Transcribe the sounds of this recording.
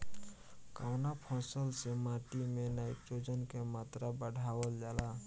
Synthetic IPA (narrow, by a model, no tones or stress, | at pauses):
kaːwnapʰɔ̃ːsəlsemaːʈimẽnaːipt͡ʃod͡ʒənkemaːt̪ɾabəɽʱaːwəld͡ʒaːlaː